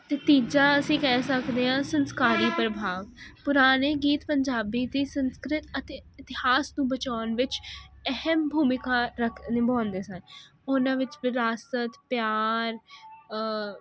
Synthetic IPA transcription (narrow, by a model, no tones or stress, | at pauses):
t̪eːt̪iːd͡ʒaːəsĩːkɛːsəkd̪eːɦãːsənskaːɾiːpɾəbʱaːʋpʊɾaːneːɡiːt̪pəɲd͡ʒaːbiːd̪iːsənskɾɪt̪ət̪eːɪt̪ɪhaːsnũːbət͡ʃaːnʋɪt͡ʃɛhəmbʱuːmɪkaːɾəkʰnɪbaːnd̪eːsən | ʊnãːʋɪt͡ʃʋɪɾaːsət̪pjaːɾ